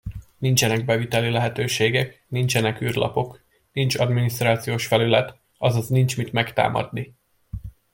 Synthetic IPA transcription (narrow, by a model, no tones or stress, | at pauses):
nint͡ʃɛnɛɡ̚bɛvit̪ɛlilɛɦɛt̪øːʃeːɡɛknint͡ʃɛnɛkyːrlʔɒ̰po̞k | nint͡ʃɒd̪minist̪raːt̪sijoːʃfɛlylɛt̪ | ɒzɒznint͡ʃmit̪mɛkt̪a̰ːmɒ̰d̪ni